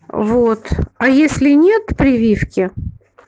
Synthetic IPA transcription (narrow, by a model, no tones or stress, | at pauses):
vot̪ɐjesʲlʲɪnʲet̪pɾʲɪvʲifkʲɪ